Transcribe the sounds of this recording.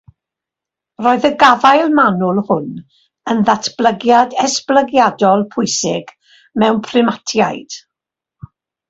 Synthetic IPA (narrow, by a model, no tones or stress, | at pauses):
roːɨðəɡaðajlˠmanʊlˠhʊn | ənðatʰb̥lˠəɡjadɛsb̥ləɡjadɔlˠpʰʊɨsɪɡ | mɛwnpʰrɪmatʰjajd̥